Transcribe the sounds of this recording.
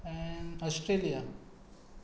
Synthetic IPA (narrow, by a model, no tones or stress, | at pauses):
ɛ̃nɔsʈɾelija